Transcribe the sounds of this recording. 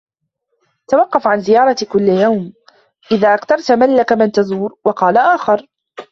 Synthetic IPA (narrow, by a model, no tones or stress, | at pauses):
t̪awɑqːɑfʕanzɪjɑːɾˤɑt̪kʊlːjawm | ʔɪðaːʔakt̪ɑɾˤt̪malːakamant̪azuːɾwɑqɑːlaʔaːxɪɾˤ